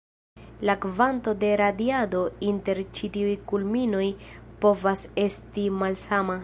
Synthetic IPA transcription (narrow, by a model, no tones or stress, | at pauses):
lakvanto̞de̞ɾadiado̞inte̞ɾt͡ʃitiujkulmino̞jpo̞vase̞stimalsama